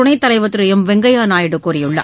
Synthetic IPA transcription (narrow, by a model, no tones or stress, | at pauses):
ʊɳɐɪt̪ːɐlɐɪʋɐt̪ːɯɾɯjɐmʋɛŋɡɐjaːnaːjɪɽɯkːuːɾɪjɯɭːɐ̰